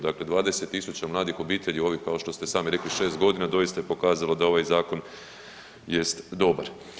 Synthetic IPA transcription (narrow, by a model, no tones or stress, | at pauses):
d̪akle̞d̪ʋaːd̪e̞se̞t̪ːisut͡ɕamlˠaːd̪ixo̞biːt̪e̞ʎio̞ʋihkao̞ʃt̪o̞st̪e̞saːmiɾe̞kliʃe̞ːst̪̚ɡo̞d̪inad̪o̞jist̪ajepo̞kaːzalod̪ao̞ʋajzaːko̞n | je̞st̪d̪o̞ba̰ɾ